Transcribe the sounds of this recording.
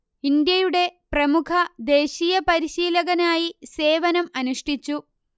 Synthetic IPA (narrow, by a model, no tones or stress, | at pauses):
ind̪jɐjuɽe̞prɐmukʰɐd̪e̞ːɕijɐpɐɾiɕiːlɐɣɐnaːjise̞ːʋɐnɐmɐnuʂʈit͡ɕːu